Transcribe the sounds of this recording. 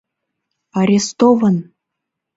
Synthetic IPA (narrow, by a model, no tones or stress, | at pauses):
ɑɾʲest̪ovən